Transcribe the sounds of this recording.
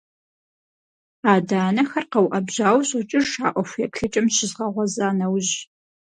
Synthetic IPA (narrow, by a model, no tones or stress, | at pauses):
aːdaːnɐxɐrqɐwʔɐbʑaːwɕʼʊt͡ʃʼɪrʃaːʔʷɔxʷjɛkɬɨt͡ʃʼɐmɕɪzʁɐʁʷɔzaːnɐwʑ